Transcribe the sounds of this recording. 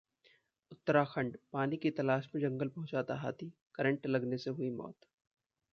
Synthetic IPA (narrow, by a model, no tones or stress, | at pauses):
ʊt̪ːəɾaxʰɐ̃ɳɖpaːnikit̪ɐlaːʃmẽd͡ʒɐ̃ŋɡəlpɐɦʊ̃t͡ʃaːt̪aɦa̰ːt̪ʰikɐɾə̃ɳʈlɐɡneseɦʊimɔ̰ːt̪